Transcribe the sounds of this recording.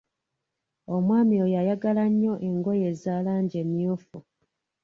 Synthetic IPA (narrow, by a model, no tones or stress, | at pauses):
o̞mwaːmiojajaɡalaɲːo̞ʔe̞ŋɡo̞je̞zaːlaːɲɟemjofu